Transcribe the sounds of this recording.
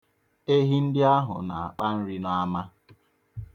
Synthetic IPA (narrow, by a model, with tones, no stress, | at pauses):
e˦ɦi˦n̩˦dɪ˦a˦ɦʊ̰˨na˨a̰˨k͡pa˦n̩˦ɾi˦na˦ma˦